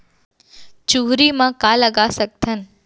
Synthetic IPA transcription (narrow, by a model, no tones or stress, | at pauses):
t͡ʃuɦɾimãkaləɡasɐk̚t̪ʰən